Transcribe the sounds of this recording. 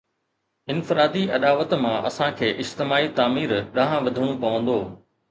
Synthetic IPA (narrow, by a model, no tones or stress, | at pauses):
ɪnfɪɾaːd̪iʔɐɗaːʋət̪mãʔɐ̰sãkʰeːʔɪd͡ʒt̪ɪmaːit̪aːmiːɾɗɐ̃ɦãʋɐd̪ʱəɽ̃ũpɐʋə̃nd̪oː